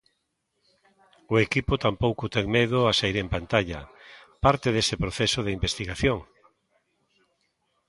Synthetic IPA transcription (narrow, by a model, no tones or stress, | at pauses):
ʊekipʊt̪ampowkʊt̪ɛŋmeðʊasaiɾempant̪aʎɐ̰paɾt̪eðesepɾoθesʊðeimbest̪iɣaθjoŋ